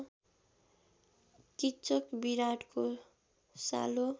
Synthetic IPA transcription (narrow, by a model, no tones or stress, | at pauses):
kit͡sʌkbiɾaʈko | sa̰lo